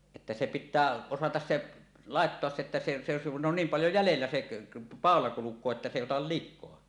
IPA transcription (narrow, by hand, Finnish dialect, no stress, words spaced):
etːæ se pitˑæː osɑtɑs se lɑˑetːoɑs se etːæ se se se kun on niːm pɑljo jælelːæ seʔ pɑˑolɑ kulukˑoː etːæ se eˑi otɑl likˑoɑ